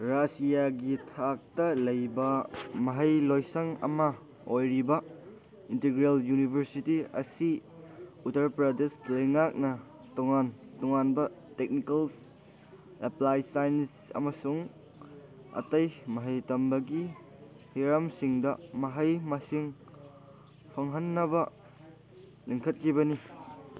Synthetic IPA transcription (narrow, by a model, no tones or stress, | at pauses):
ɾasijaɡitʰak̚tɐlɐjbɐmɐɦɐjlojsɐŋɐ̰mɐ | ojɾibɐ | inteɡɾeljunibʱɐɾsitiɐ̰si | utɐɾpɾadeslɐjŋak̚nɐ | tɔŋantɔŋanbɐtek̚nikɐls | eplajsajns | ɐ̰mɐsuŋ | ɐ̰tɐjmɐɦɐjtɐmbɐɡi | hiɾamsiŋdɐmɐɦɐjmasiŋ | pʰɐŋɦɐnːɐbɐ | liŋkʰɐt̚kʰibɐni